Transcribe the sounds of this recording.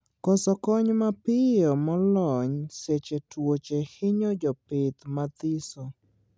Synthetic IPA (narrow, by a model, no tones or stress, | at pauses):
kɔsɔkɔɲmapɪjɔmɔlɔɲset͡ʃetwot͡ʃehɪɲod͡ʒɔpɪt̪mat̪ɪso